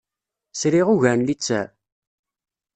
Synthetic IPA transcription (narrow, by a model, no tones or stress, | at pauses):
sɾiʁuʝæɾnlit͡sːæ